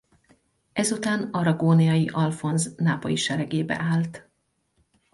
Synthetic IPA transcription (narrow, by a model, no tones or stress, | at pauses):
ɛzut̪aːnɒɾɒɡoːnijɒjiʔɒlfo̞nznaːpɒ̰jiʃɛɾɛɡeːbɛ̰ʔaːlt̪